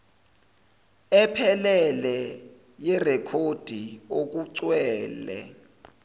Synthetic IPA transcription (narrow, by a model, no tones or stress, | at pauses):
ɛpʰɛlɛlɛ | jɛrɛkʰod̥ʱiok̬uǀwɛːlɛ̰